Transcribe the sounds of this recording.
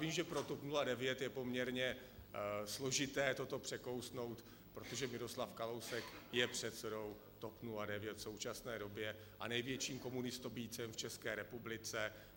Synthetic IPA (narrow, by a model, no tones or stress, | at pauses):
viːmʒɛpɾo̞t̪opnuladɛvjɛt̪jɛpo̞mɲɛɾɲɛ | slo̞ʒɪt̪ɛːt̪o̞t̪o̞pr̥ɛko̞wsno̞wt̪ | pɾo̞t̪o̞ʒɛmɪɾo̞slafkalo̞wsɛkjɛpr̝̥ɛt̪sɛdo̞w | t̪o̞pnuladɛvjɛt̪fso̞wt͡ʃasnɛːdo̞bjɛ | ʔa̰nɛjvjɛt͡ʃiːmko̞munɪst̪obiːt͡sɛmft͡ʃɛskɛːɾɛpublɪt͡sɛ